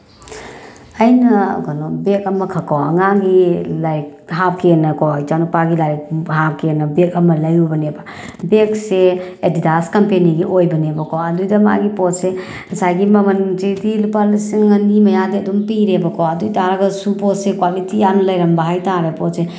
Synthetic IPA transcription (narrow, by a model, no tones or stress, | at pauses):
ɐjnɐ̰ɡɔnobek̚ɐmɐkʰɐkʰawɐ̰ŋaŋɡilɐjkɦap̚kenɐkojt͡ʃanupaɡilajk̚ɦap̚kenːɐbekɐmɐlɐjubɐnebɐ | bek̚seedidaskɐmpeniɡiʔojbɐnebɐkʰowɐdujdɐma̰ɡipɔt̚se | nɐsajɡimɐmɐnd͡ʒidilupalisiŋːɐnimɐjadiɐdumpiɾebɐkʰowɐdujtaɾɐɡɐsupɔt̚sekwalitijanɐlɐjɾɐmbɐɦajtaɾepɔt̚se